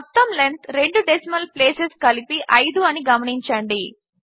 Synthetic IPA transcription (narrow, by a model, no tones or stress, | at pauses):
ɔt̪ːɐmlent̪ɾe̞ɳɖuɖesimɐlpleːseskɐlipiʔɐjd̪uɐniɡɐmɐɳiɲt͡ʃɐɳɖi